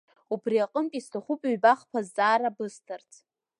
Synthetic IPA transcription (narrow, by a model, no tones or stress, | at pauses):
ubriaqʼəmpʼistʰaχʷupʼɥbaχpʰazːʼaːɾabɨstʰartʰ